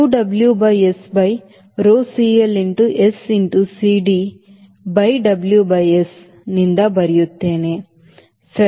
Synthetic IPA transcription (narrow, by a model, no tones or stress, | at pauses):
uːɖɐbljubɐjesbɐj | ɾoːsiːeliɳʈuʔesiɳʈusiːɖiː | bɐjɖɐbljubɐjes | nind̪ɐbɐɾijut̪ːeːneː | sɐ